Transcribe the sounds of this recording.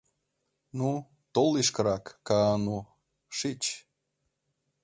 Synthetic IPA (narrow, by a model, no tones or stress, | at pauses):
nu | t̪oliʃkəɾɑkːɑːnu | ʃit͡ɕ